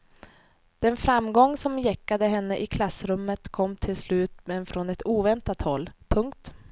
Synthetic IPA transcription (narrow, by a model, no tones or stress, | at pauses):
d̪̥ɛnfɾamːɡɔŋːsɔmjɛkːad̪əɦɛnːəʔɪkʰlasːɾɵmːət̪kʰɔmːt̪ʰɪlslʉ̟ːt̪mɛnfɾɔnɛt̪uːvɛnt̪at̪hɔlːpʰɵŋkt̪